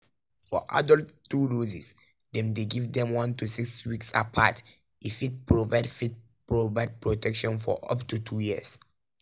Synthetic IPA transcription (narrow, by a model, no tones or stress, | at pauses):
fɔ̰ʔa̰dɔlttuɹozis | dɛ̃mdeɡivdɛ̃mwãntusikswiksa̰pʰa̰t | ifit̚pɹɔvaɪdfit̚ | pɹovaɪd̚pɹɔtʰɛkʃɔ̃nfɔ̰ʔʌ̰ptutʰujiə̰s